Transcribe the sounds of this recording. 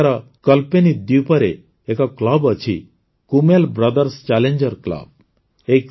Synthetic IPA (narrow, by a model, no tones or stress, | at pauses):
ɾa | kəlpenid̪iwpəɾeː | kaklabət͡ʃʰḭ | kumelbɾəd̪əɾst͡ʃaleɲd͡ʒəɾkla̰b̚ | ek